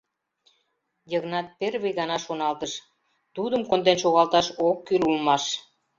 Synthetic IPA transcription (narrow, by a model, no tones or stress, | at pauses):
jəɣnɑt̪̚perβejɣɑnɑʃonɑlt̪əʃ | t̪ud̪əmkond̪enʃoɣɑlt̪ɑʃokːylulmɑʃ